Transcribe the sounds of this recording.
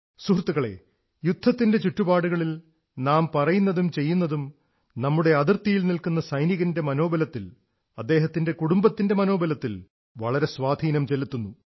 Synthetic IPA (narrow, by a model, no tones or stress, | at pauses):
suhrt̪ːuɣɐɭe̞̰ | jud̪̥ʱːɐt̪ːinde̞t͡ɕuʈːubaːɽuɣɐɭil | naːmpɐrɐjunːɐðumt͡ɕe̞jːunːɐðum | nɐmːuɽe̞ɐðirt̪ijilnilkunːɐsɐjniɣɐnde̞mɐno̞ːbɐlɐt̪ːil | ɐd̪ːe̞ːɦɐt̪ːinde̞kuɽumbɐt̪ːinde̞mɐno̞ːbɐlɐt̪ːil | ʋɐɭɐɾe̞sʋaːd̪ʱiːnɐmt͡ɕe̞lut̪ːunːu